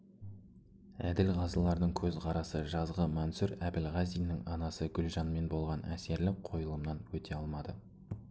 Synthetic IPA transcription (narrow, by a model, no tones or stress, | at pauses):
æd̪ɪlʁɑzəlˠɑɾd̪əɴkʲʰɵzqʰɑɾɑsəʒɑzʁəmɑnsʊɾæbɪlʁɑzijnɪŋɑnɑsəɡʲʏlʒɑnme̞nbo̞lˠʁɑnʔæ̰ske̞ɾlɪk̚qʰo̞jəlˠəmnɑnwɵt̪ʰe̞ɑlˠmɑd̪ə